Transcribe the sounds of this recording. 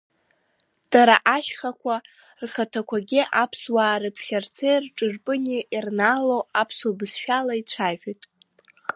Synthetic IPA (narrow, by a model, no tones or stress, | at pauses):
d̥aɾa̰ʔaʃχakʷʰa | rχatʰakʷʰaɡʲiʔapʰswaːɾɨpʰχʲart͡sʰejrʈ͡ʂʼɨrpʼɨniʔirnaːlowapʰsobɨsʃᶣalait͡ʃʷʰaħᶣitʼ